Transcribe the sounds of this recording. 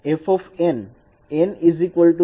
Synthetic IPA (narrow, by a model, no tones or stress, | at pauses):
efɔfẽn | enizikʋəlʈu